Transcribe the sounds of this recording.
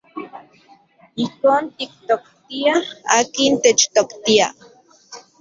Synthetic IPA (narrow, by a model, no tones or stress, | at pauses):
ihkoːnt̪ik̚t̪okt̪iaaːkint̪et͡ʃt̪okt̪ia